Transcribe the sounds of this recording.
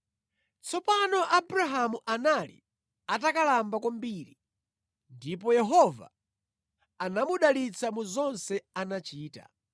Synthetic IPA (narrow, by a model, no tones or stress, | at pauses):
t͡sʰɔpanɔʔabɾaɦamuʔanalḭ | atakalambakwambiɾi | ndipɔjɛɦɔva̰ː | namuɗalit͡sʰamuzɔnsɛanat͡ʃiːta̰